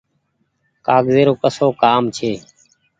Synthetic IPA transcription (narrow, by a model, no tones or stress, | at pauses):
kaːɡzeːɾoːkəsoːkaːmt͡ʃʰeː